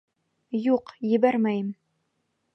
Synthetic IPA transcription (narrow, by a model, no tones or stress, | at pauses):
juqjɘbærmæjm